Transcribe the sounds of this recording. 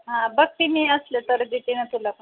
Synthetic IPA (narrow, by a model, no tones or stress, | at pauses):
ɦãbək̚t̪imiːəslet̪əɾd̪it̪iñət̪ulak